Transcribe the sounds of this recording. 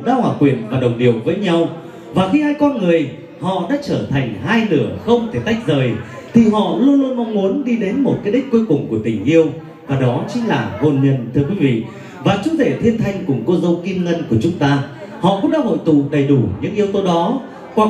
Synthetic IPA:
ɗa̰ː˧˥hwaː˨˩kwi˧˩ənvaː˨˩ɗə˨˩wŋ͡mɗi˨˩əwvəː˨˦jɲa˧w | vaː˨˩xi˧haː˧jkɔ˧nŋɨ˨˩əj | hɔ̰˧˨ɗa̰ː˧˥t͡ɕəː˧˩t̪ʰa˨˩jŋ̟ɦaː˧jnɨ˧˩əxə˧wŋ͡mt̪ʰe˧˩t̪a˦˥jk̚zəː˨˩j | t̪ʰi˨˩ɦɔ̰˧˨lu˧əlu˧ənmɔ˧wŋ͡mŋu˨˦ənɗi˧ɗe˨˦nmo˨˩t̚kaː˨˦jɗi˦˥k̟̚ku˧jkʊ˨˩ŋ͡mku˧˩ət̪i˧˩ŋʔi˧əw | vaː˨˩ɗɔ˨˦t͡ɕï˨˦ŋ̟laː˨˩ho˧˩nɲə˧˩nt̪ʰɨ˧əkwi˨˦vḭ˧˨ | vaː˨˩t͡ɕu˨˦ze˧˩t̪ʰi˧ənt̪ʰa˧jŋ̟kʊ˨˧˩ŋ͡mko˧zə˧wki˧mŋə˧nku˧˩ət͡ɕʊ˨˦ŋ͡mt̪aː˧ | hɔ̰˧˨kʊ̰˧˥ŋ͡mɗa̰ː˧˥ɦo̰˧˨jt̪ṵ˧˨ɗə˨˩jɗu˧˩ɲɨ̰˧˥ŋʔi˧əwt̪o˧ɗɔ˨˦ | kwa˨˩

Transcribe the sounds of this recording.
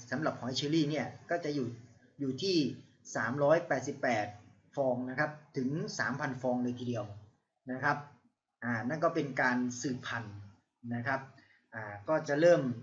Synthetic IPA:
sa˩˦mɾa˨˩p̚hɔː˩˦jt͡ɕʰiː˧liː˥˩ni˥˩ɐkɔː˥˩t͡ɕa˨˩ʔjuː˨˩ | juː˨˩t̪ʰiː˥˩ | saː˩˦mɾɔː˦˥jpɛː˨˩t̪̚si˨˩pːɛː˨˩t̪̚ | fɔː˧ŋna˦˥kʰa˦˥p̚t̪ʰɯ˩˦ŋsaː˩˦mpʰa˧nfɔː˧ŋlɤː˧jt̪ʰiː˧di˧əw | na˦˥kʰa˦˥p̚ | ʔaː˨˩na˥˩nkɔː˥˩pe˧nkaː˧nsɯː˨˩pʰa˧˩nː | a˦˥kʰɾa˦˥p̚ | ʔaː˨˩kɔː˥˩t͡ɕa˨˩ɾɤː˥˩m

